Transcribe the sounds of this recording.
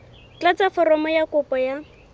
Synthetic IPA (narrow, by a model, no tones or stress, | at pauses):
t͡ɬat͡safɔɾɔmɔjakʊpɔja